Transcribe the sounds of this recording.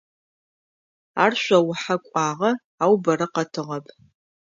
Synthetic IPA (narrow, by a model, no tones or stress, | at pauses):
a̰ːrɕʷɐwʊħakʷʼaːʁɐ | aːwbɐɾɐqɐtʰɨʁɐpʰ